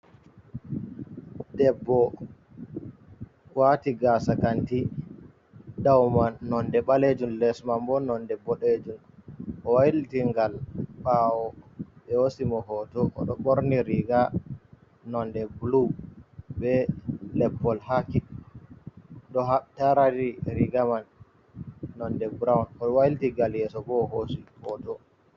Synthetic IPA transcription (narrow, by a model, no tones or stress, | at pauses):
dɛbːɔ | kwatiɡasakanti | dawmanɔndɛɓaled͡ʒunlɛsmambɔnɔndɛbɔɗed͡ʒun | ʔɔwajiltiŋɡalɓawɔɓɛhosimɔhɔtɔʔɔ̰ɗɔɓoɾniɾiɡa | nɔndɛblu | bɛlɛpːɔlhaki | dɔɦaɓtaɾadiɾiɡamanː | ɔndɛbɾawnɔwajiltiɡaljɛsɔbɔhosihɔtɔ